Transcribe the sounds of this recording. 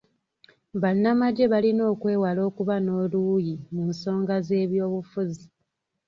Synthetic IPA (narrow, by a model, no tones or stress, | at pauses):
βanːamaɟe̞βalino̞ːkwe̞ːwalo̞ːkuβano̞ːlujimuːnso̞ːŋɡaze̞ːβjo̞ːβufuzi